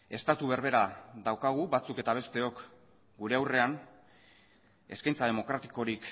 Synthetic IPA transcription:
e̞st̪at̪uβe̞ɾβe̞ɾaðawkaɣ̞uβat͡suke̞t̪aβ̞e̞st̪e̞o̞k | ɡuɾe̞awre̞an | e̞skajnt͡sað̞e̞mo̞kɾat̪i̥ko̞ɾik

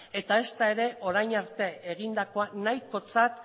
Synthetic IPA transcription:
e̞t̪ae̞st̪ae̞ɾe̞ʔo̞ɾajɲaɾt̪e̞eɣ̞ind̪ako̞anajko̞t͡sat̪

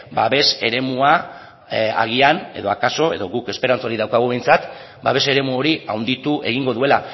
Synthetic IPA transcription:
baβe̞se̞ɾe̞mua | a̰ɣiane̞ðo̞akaso̞e̞̰ðo̞ɣuke̞spe̞ɾant͡soɾiðawkaɣuβe̞jnt͡sat̪ | ba̰βe̞se̞ɾe̞muo̞ɾiawnd̪it̪uʔe̞ɣiŋɡo̞ðue̞la

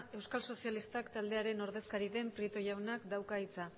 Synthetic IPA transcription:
e̞wskalso̞sialist̪akt̪ald̪e̞aɾe̞no̞ɾðe̞skaɾiðe̞mpɾit̪o̞jawnakd̪awkait͡sa

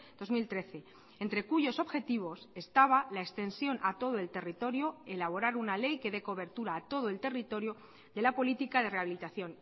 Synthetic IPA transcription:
d̪o̞zmilt̪ɾe̞θe̞ | ent̪ɾe̞kuʝo̞so̞βxe̞t̪iβ̞o̞se̞st̪aβ̞alaekst̪e̞nsjo̞nʔat̪o̞ð̞oe̞lt̪e̞rit̪o̞ɾjo̞e̞laβ̞o̞ɾaɾunale̞jke̞ðe̞ko̞βe̞ɾt̪uɾaːt̪o̞ð̞oe̞lt̪e̞rit̪o̞ɾjo | d̪e̞lapo̞lit̪ikaðe̞re̞aβilit̪aθjo̞n

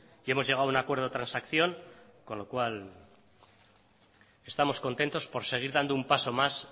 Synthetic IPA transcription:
ie̞mo̞zʝe̞ɣ̞aunakwe̞ɾðot̪ɾansakθjo̞ŋ | ko̞nlo̞kwal | e̞st̪amo̞sko̞nt̪e̞nt̪o̞spo̞ɾse̞ɣ̞iɾðand̪oumpaso̞mas

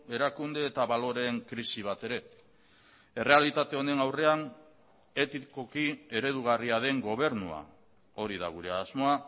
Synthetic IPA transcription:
e̞ɾakund̪e̞ːt̪aβalo̞ɾe̞ŋkɾisiβ̞at̪e̞ɾe̞ | e̞re̞alit̪at̪e̞o̞ne̞nawre̞an | e̞t̪iko̞kie̞ɾe̞ð̞uɣ̞ariaðe̞ŋɡo̞β̞e̞ɾnua̰ | o̞ɾið̞a̰ɣuɾe̞azmo̞a

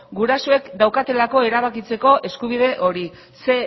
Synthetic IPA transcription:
ɡuɾasoe̞kd̪awkat̪e̞lako̞eɾaβ̞akit͡se̞ko̞ʔe̞skuβ̞ið̞e̞ʔo̞ɾi | se̞

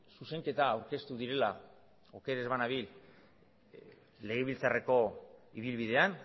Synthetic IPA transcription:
suse̞ŋke̞t̪aːwɾke̞st̪uðiɾe̞la | o̞ke̞ɾe̞zβanaβil | le̞ɣ̞eβilt͡sare̞ko̞iβ̞ilβiðe̞an

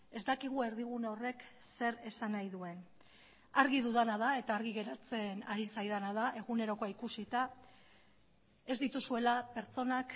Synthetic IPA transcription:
e̞zd̪akiɣ̞ue̞ɾðiɣ̞unore̞k | se̞ɾe̞sanajðue̞n | aɾɣiðuðanað̞ae̞t̪aːɾɣiɣe̞ɾat͡se̞naɾisajðanaðaʔe̞ɣune̞ɾo̞ko̞aikusit̪a | e̞zd̪it̪usue̞lape̞ɾt͡so̞nak

